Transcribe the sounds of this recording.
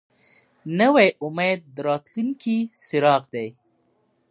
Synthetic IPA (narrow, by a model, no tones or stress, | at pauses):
nəwejʔʊmed̪̚ːəɾɑt̪luŋkʰisɪɾɑqd̪aj